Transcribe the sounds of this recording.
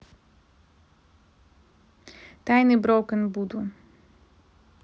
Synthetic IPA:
t̪ajnibɾɔwkənbud̪un

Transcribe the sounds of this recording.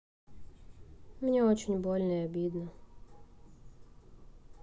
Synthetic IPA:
mɲɛot͡ʃiɲboʎʲnojebid̪no

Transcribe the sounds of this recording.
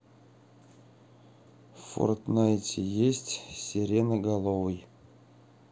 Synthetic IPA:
fo̰rt̪najtʲejesʲtʲsʲeɾʲenəɡɑlˠovɨj

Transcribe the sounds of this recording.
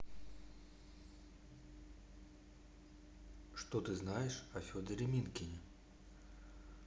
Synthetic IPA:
ʂt̪ɔt̪ɨznajɛʂɐfʲɔd̪əɾʲɪmʲinkʲɪnʲɪ

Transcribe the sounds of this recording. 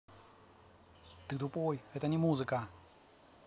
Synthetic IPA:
t̪ɨt̪ʊpojɛt̪ənʲɪmuzɨkə

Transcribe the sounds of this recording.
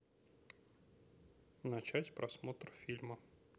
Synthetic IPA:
nɐt͡ɕætʲpɾʔɐsmo̞t̪ɾfʲilʲmə

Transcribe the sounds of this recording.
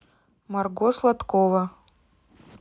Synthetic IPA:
marɡɔslˠat̪kovɐ

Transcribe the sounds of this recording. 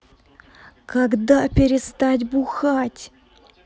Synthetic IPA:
kaɡd̪apʲɪɾʲɪst̪atʲbʊxatʲ

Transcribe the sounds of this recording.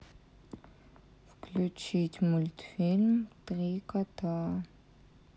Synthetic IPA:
fkʰlut͡ʃʰitʲmulʲtfilmtʁiːkɐtʰaː

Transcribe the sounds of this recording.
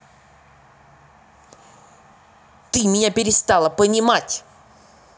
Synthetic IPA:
t̪ɨmʲɪnʲapʲɪɾʲɪst̪alˠəpənʲɪmatʲ

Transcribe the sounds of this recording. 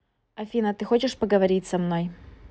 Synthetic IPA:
ɐfʲinət̪ɨxo̞t͡ɕɪʂpəɡəvɐɾʲitʲsɐmno̞j

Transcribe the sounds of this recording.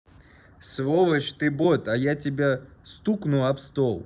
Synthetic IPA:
svovət͡ɕt̪ɨbot̪ajatʲɪbʲast̪uknʊɐpst̪olˠ

